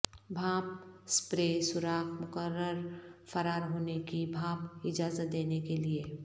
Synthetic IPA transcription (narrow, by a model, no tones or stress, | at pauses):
bʱaːp̚spɾeːsʊɾaːkʰmʊkəɾəɾfɐɾaːɾɦoːnekibʱaːpɪd͡ʒaːzət̪̚d̪eːnekelie